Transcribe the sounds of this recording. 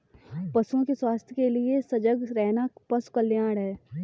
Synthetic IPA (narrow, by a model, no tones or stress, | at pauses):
pɐsõkeswaːst̪ʰjəkeliesɐd͡ʒəɡɾɛɦnapɐskəlːjãːɽɦɛː